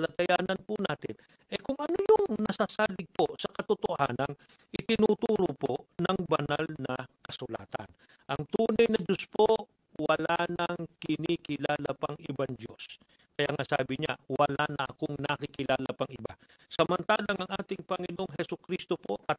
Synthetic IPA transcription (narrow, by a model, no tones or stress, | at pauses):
lat̪ɐjaːnɐnpʊnaːt̪ɪn | ʔɛkʊŋɐnojʊŋnɐsaːsaːlɪɡ̚po̞sɐkɐt̪ot̪oha̰ːnɐn | ʔɪt̪ɪnut̪uːɾopoʔnɐŋbɐnalnɐkɐsʊla̰ːt̪ɐ̰n | ʔɐŋt̪uːnɐjnɐd͡ʒospoʔ | wɐlanɐŋkɪnikɪlaːlapɐŋɪbaŋd͡ʒo̞̰s | kɐjaŋasa̰ːbɪɲa̰wɐlanɐʔɐ̰koŋnɐkɪkɪlaːlɐpɐŋɪba̰ | sɐmɐnt̪aːlɐŋʔɐŋʔaːt̪ɪŋpɐŋɪno̞ŋɦɛsʊkɾist̪opo̞ʔɐt̪̚